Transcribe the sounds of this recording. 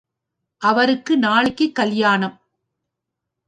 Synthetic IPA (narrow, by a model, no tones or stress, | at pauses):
ʔɐʋɐɾɯkːɯnaːɭɪkːɯkːɐljaːnɐm